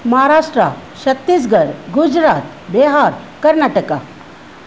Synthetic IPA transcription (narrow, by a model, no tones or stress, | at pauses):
məɦaɾaʂʈɾaɕət̪ːis̬ɡʱəɾɡud͡ʑɾat̪ | beɦaɾ | kəɾɳaʈəka̰